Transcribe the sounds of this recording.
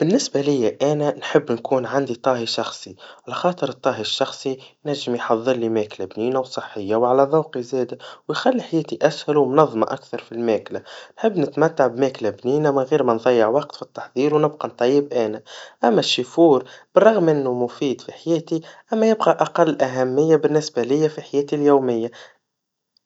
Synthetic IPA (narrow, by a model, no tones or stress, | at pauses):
b̥ɪnːɪsbælɪjːaʔæːnænħɪbːnkuːnʕand̪it̪ˤɑːɦiʃɑxsˤiʕalæxɑːt̪ˤəɾɨt̪ˤːɑːɦiʃːɑxsˤinæʒːɪmjħɑðˤːɨɾˤlimæːklabniːnawsˤəħːɪjːawʕalæðˤɑwqizɛːd̪awjxalːiħajɛːt̪iʔæshʊlwmnɑðˤːmɑ̰ʔakθɑɾˤfilmæːklanħɪbːnɪt̪mæt̪ːaʕbmæːklabniːnæmɪnɣiːɾmænðˤɑjːɪʕwɑqt̪fit̪ːɑ̥ħðˤiːɾwnɪb̚qɑnt̪ˤːɑjːɪbʔæːnæʔæmːæʃːifuːɾb̥ɨrˤːɑɣmʔɪnːumʊfiːd̪fiħajɛːt̪iʔæmːæjɪbqɑʔaqɑlːʔæɦæmːɪjːabɪnːɪsbælɪjːæfiħajɛːt̪iljuːmɪjːa